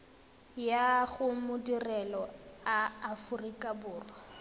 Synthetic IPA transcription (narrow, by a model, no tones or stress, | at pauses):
jaɣʊmʊdirɛlɔaːfʊrikʼabʊːrɔ